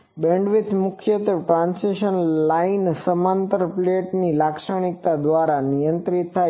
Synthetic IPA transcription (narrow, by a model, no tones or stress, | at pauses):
bẽɳɖʋɪt̪mʊkʰjət̪əʈɾãnseʃənlainsəmant̪əɾpleʈnilakʃəɳ̃ik̚t̪ad̪ʋaɾanijə̃nt̪ɾit̪ʰːa